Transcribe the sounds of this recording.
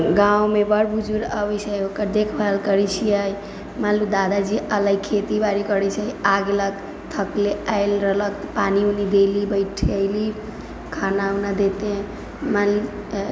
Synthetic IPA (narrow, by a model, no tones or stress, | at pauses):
ɡawmebəɽbʱud͡ʒuɾəbət͡ʃʰəjokəɾd̪ekʰbalkəɾit͡ʃʰijəj | malud̪ad̪ad͡ʒiələɡkʰet̪ibaɾikəɾɛt͡ʃʰəjaɡelək̚ | t̪ʰəkleajlɾəɦlək̚t̪paniunid̪elibəɪʈʰiəjli | kʰanaunad̪et̪ẽ | malu